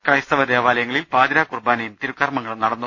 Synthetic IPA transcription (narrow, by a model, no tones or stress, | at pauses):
krɐjst̪ɐʋɐd̪eːʋaːlɐjɐŋːɐɭilpaːd̪iɾaːkurbaːnɐjumt̪iɾukːɐrmɐŋːɐɭnɐɽɐnːu